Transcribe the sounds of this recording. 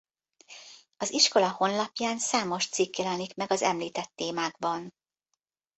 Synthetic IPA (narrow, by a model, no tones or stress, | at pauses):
ɒziʃko̞lɒho̞nlɒpjaːnsaːmo̞ʃt̪sikjɛlɛnikmɛɡɒzɛmliːt̪ɛt̪ːeːmaːɡ̚bɒn